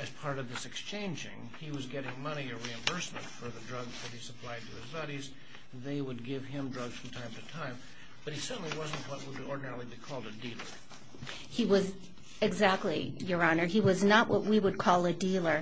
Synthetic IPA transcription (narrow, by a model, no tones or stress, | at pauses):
ɨz̥pʰɑɹɾʌvðɪsɨkst͡ʃʰẽɪ̃nd͡ʒɪ̰̃ŋ | iwʌzɡɛɾɪ̃ŋmʌniɨ˞ɹiɨ̃ɱbɜ˞smɨ̃ntfə˞ðɨdɹʌɡzðɨt̚hisəpʰl̥aɪd̚tʰɨɪzbɑɾiz | ðeɪwəd̚ɡɪv̥ɪ̃mdɹʌɡz̥fɹʌ̃m̩tʰãɪ̃mtɨtʰãɪ̃m | b̥ʌt̚hisɜ˞ʔn̩liwʌz̃n̩ʔwʌt̚wəɾɔɹdⁿn̩ɛɹl̩ˠibikʰɔlˠdɨdilˠə̰˞ | hiwʌz | ɨɡzæk̚tˡlijə˞ɑnə˞iwʌznəʔwʔʌ̰ʔ̚wiwəd̚kʰɔlˠɨdilˠə˞